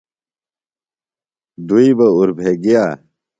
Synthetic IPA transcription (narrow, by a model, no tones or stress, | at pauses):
d̪uibɐuɾbʱeːɡijaː